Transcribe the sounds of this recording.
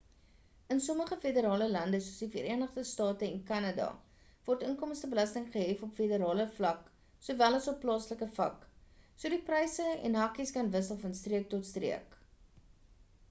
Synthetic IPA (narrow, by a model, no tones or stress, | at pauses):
ənsɔməχəfedəɾɑːləlɐndəsuəsdifəɾiənəχdəstɑːtəɛnkɐnɑdɑ̰ | vɔrtənkɔmstəbəlɐstəŋχəɦɛfɔpfedəɾɑːləflɐk | suvælɐsɔpːlɑːsləkəfɐ̰ksuədiprɛjsəɛ̰nɦɐkiskɐnvəsəlˠfɐnstriək̚tɔtstrḭək